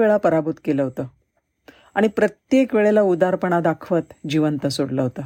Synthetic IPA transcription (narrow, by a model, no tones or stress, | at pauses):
eɭapəɾabut̪keləɦot̪əː | aɽ̃ipɾət̪jekʋeɭelaud̪aɾpəɳ̃ad̪akʰʋət̪d͡ʑiʋənt̪əsoɽləɦot̪ə